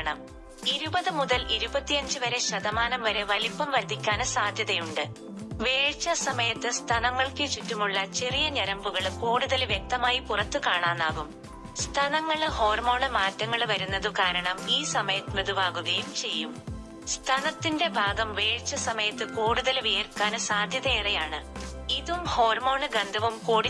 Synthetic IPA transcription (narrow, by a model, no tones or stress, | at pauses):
ɳɐ̰m | iɾubɐðɨmuðɐliɾubɐt̪ːijɐɲd͡ʑɨʋɐɾe̞ɕɐðɐmaːnɐmʋɐɾeʋɐlipːɐmʋɐɾd̪ʱikʲːaːnɐsaːd̪ʱjɐðɐjuɳɖɨ | ʋe̞ːɻt͡ɕːɐsɐmɐjɐt̪ːɨst̪ʰɐnɐŋːɐɭkɨt͡ɕitːumuɭːɐt͡ɕerijɐɲɐɾɐmbuɣɐɭkoːɽuðɐlʋjek̚t̪ɐmaːjipurɐt̪ːɨkaːɳaːnːaːɣum | st̪ʰɐnɐŋːɐɭho̞ːrmo̞ːɳɨmaːtːɐŋːɐɭʋɐɾunːɐðɨkaːɾɐɳɐmiːsɐmɐjɐt̪ːmed̪ʱubʱaːɡuɣɐjumt͡ɕe̞jːum | st̪ʰɐnɐt̪ːinde̞bʱaːɡɐmʋe̞ːɻt͡ɕːɐsɐmɐjɐt̪ːɨkoːɽuðɐlʋeːrkaːnɨsaːd̪ʱjɐðɐeːrejaːɳɨiðumho̞ːrmo̞ːɳɨɡɐnd̪ʱɐʋumkoːɽ